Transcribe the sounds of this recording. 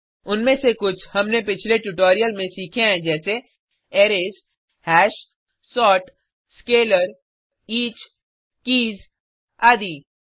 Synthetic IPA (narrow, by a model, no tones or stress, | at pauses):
ʊnmẽsekʊt͡ʃʰhɐmnepɪt͡ʃʰleʈʊʈoːɾijəlmẽsiːkʰeɦɛ̃d͡ʒɛːse | eːɾeːs | hɛːʃ | sɔːʈ | skeːləɾ | iːt͡ʃ | kiːz | aːd̪iː